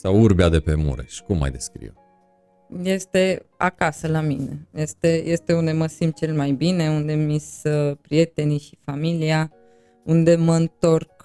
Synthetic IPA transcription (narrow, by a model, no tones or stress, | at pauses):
sawuɾbead̪e̞pemṵɾḛʃi̥kumːa̰jd̪e̞skɾḭ | je̞st̪e̞a̰kasəlamine̞̰je̞st̪e̞je̞st̪e̞und̪e̞məsimt̪̚t͡ʃe̞lmajbine̞und̪emispɾije̞t̪e̞niʃi̥familia | und̪e̞məɨnt̪o̞rk